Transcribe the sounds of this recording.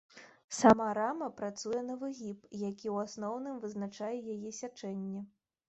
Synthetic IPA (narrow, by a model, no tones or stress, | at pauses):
samaɾamɐpɾat̪sujɛnɐvɨɣʲipjakʲiwasnɔwnɨmvɨznat͡ʂajɛjajɛsʲat͡ʂɛnʲːɛ